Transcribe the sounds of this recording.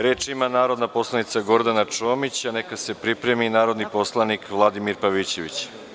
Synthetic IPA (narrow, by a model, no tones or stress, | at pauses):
ɾe̞ːt͡ʃimanaːɾo̞d̪napo̞slˠanit̪saɡo̞ɾd̪anat͡ʃoːmit͡ɕanekase̞pɾipɾe̞minaːɾod̪nipo̞slˠanikʋlˠad̪imiɾpaʋit͡ɕe̞ʋit͡ɕ